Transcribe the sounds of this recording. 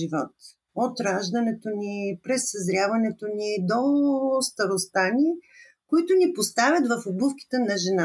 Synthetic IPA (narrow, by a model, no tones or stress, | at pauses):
ivɔt̪ | ot̪ɾaʒd̪ənɛt̪onipɾɛsːɐzɾʲavɐnɛt̪onid̪ost̪ɐɾost̪ani | koit̪ʊnipost̪avʲət̪vɐfobufki̥t̪ənɐʒɛna